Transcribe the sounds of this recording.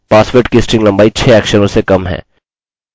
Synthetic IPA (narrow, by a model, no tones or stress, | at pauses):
paːsʋeːʈkisʈɾɪ̃ŋɡlɐ̃mbaːit͡ʃʰɛːɛːkʃənõsekɐmɦɛ̰̃ː